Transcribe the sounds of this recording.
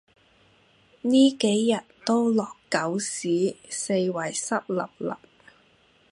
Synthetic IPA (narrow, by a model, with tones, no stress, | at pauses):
niː˥ke˨˥jːɐ˨t̚t̪o˥wlɔː˨kːɐ˨˥wsiː˨˥se˧jwɐ˨˩jsɐ˥p̚lɐ̰˨p̚lɐ̰˨˩p̚